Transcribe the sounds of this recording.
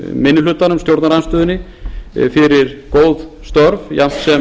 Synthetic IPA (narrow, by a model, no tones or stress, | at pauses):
mɪnːɪlʏːt̪ːanʏmst̪jowɾt̪naɾajnst̪ʏːðɪnːɪ | fɪɾɪɾkoːwðst̪œɾvjam̥t̪sɛ